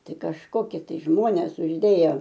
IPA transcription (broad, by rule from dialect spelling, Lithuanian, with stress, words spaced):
ˈtɐɪ kɐʃˈkoːkʲiɛ tɐɪ ˈʒmoːnʲeːs ʊʒʲˈdʲeːjɛ